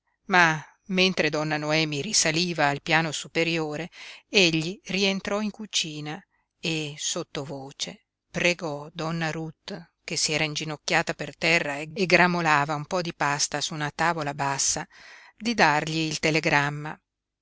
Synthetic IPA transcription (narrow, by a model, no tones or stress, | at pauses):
ma | mːent̪ɾed̪ɔnːanoɛːmirisaliːvaːlpjaːnosupeɾjoːɾeeʎːirient̪ɾɔiŋkut͡ʃiːna | esot̪ːovoːt͡ʃe | pɾeɡɔd̪ɔnːaɾut̪ː | kesiɛːɾaind͡ʒinokːaːt̪apert̪ɛrːaeɡeɡɾamolaːvaumpɔd̪ipast̪asuːnat̪aːvolabasːa | d̪id̪arʎiːlt̪eleɡɾamːa